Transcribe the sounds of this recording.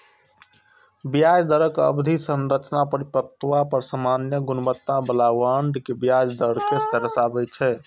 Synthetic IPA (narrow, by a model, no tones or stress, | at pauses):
bijad͡ʒd̪əɾəkə̰bd̪ʱisənɾət͡ʃnapəɾipək̚t̪wapəɾsəmanjəɡunbət̪ːabəlawaɳɖkebijad͡ʒd̪əɽkest̪əɾəsabɛt͡ʃʰɛ